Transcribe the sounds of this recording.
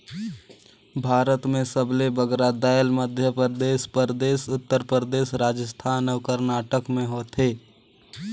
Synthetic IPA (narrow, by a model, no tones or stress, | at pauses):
bʱaːɾət̪mẽsəblebəɡɾad̪aːjəlməd̪ʱjəpəɾəd̪eːʃpəɾəd̪eːʃʊt̪ːəɾpɾəɾəd̪eːʃɾaːd͡ʒəst̪ʰaːnəːkəɾnaːʈəkmẽɦoːt̪ɦeː